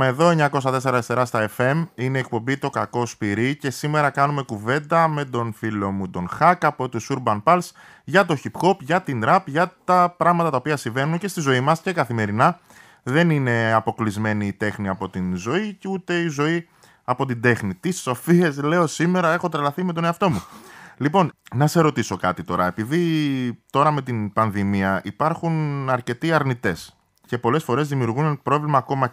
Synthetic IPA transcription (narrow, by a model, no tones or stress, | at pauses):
mɐeðo̞eɲɐko̞s̬ɐt̪e̞se̞ɾɐeseɾɐst̪ɐe̞fe̞mineːk̚po̞mbit̪o̞kɐko̞spiɾice̞sime̞ɾɐkɐnume̞kuve̞nd̪ɐme̞t̪o̞nfilo̞mud̪o̞nxɐkɐpo̞t̪osuɾbɐnpɐls | ʝɐt̪o̞çipxo̞pʝɐt̪ind̪ɾɐpʝɐt̪ɐpɾɐɣmɐt̪ɐt̪ɐopiɐsiɱve̞nunce̞st̪izo̞imɐsce̞kɐθime̞ɾinɐ | ðe̞nine̞ɐpo̞klizme̞niːt̪e̞xniɐpo̞t̪inzo̞iceut̪e̞izo̞i | ɐpo̞t̪̬ind̪e̞xnit̪iso̞fie̞zle̞o̞sime̞ɾɐe̞xo̞t̪ɾɐlɐθime̞t̪o̞ne̞ɐft̪o̞mulipo̞nnɐseɾo̞t̪iso̞kɐt̪it̪o̞ɾɐe̞piðit̪o̞ɾɐme̞t̪inpɐnðimiɐʔipɐɾxunɐɾce̞t̪iɐɾnit̪e̞s | ce̞po̞le̞sfo̞ɾe̞zðimiuɾɣunnpɾo̞vlimɐːko̞mɐ